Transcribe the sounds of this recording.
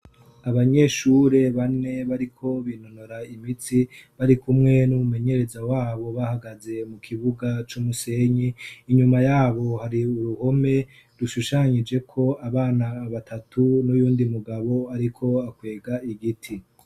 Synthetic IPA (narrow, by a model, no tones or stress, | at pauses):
aβaɲe̞ːʃuːɾe̞βane̞βaɾikʰo̞βino̞no̞ɾaimit͡siβaɾikumŋe̞numume̞ɲe̞ɾe̞zawaːβo̞βahaɡaze̞mukʰiβuɡat͡ʃumuse̞ɲiːɲumajaːβo̞haɾiuɾuho̞me̞ | ɾuʃuʃaɲid͡ʒe̞kʰo̞aβaːnaːβatʰatʰunujuːndimuɡaβo̞aɾikʰo̞akwe̞ːɡaiɡitʰi